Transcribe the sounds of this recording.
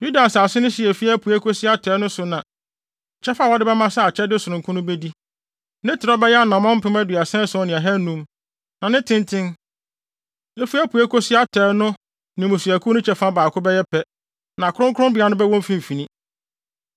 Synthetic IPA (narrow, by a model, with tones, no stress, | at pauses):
ju˦da˨saː˨sɪ˦nʊ̃˦ɕɪ˨ɛ˨fi˦æ˦pʰu˨æ˦kʰo˦sɪ˦a˦tʰɛː˨˦nʊ̃˦sʊ˨nã˨ | t͡ɕʰɛ˦fa˦wɔ˦dɪ˦bɛ˦mã˦sa˦a˨t͡ɕʰɛ˦dɪ˦sʊ˨ɾʊ̃˨ŋkʰʊ̃˦nʊ̃˦bɛ˦di˦ | nɪ̃˦tʰɪ˨ɾɔ˦bɛ˦jɛ˦a˦nã˨mɔ̃˦m̩˦pɪ̃˦mæ˦dɥa˨sɛ̃˦sʊ˨˦ɔ˦nɪ̃˨a˨ɦɛ˦nũ˦m | nã˨nɪ̃˦tʰɪ̃˦ntʰɪ̃˦n | e˦fu˦æ˦pʰu˨æ˦kʰo˦sɪ˦a˦tʰɛː˨˦nʊ̃˦ | nɪ̃˨mʊ̃˨su˨æ˨kʰu˦nʊ̃˦t͡ɕʰɛ˨˦fa˦baː˨kʰʊ˦bɛ˦jɛ˦pʰɛ˦ | nã˨kʰʊ˦ɾʊ̃˦ŋkʰʊ˦ʊ̃˦bɪ˨˦a˨˦nʊ̃˦bɛ˦wɔ̃˦m˦fĩ˦m̩˨fĩ˨nĩ˦